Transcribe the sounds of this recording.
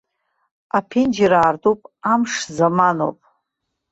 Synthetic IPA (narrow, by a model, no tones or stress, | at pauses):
apʰend͡ʒiɾaːrtʼupʼamʂzamano̰pʼ